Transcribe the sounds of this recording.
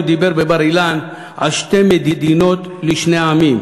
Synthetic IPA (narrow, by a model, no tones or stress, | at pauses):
d̪ibeʁbebaʁilan | a̰lʃte̞med̪id̪ino̞t̪ | liʃneaamim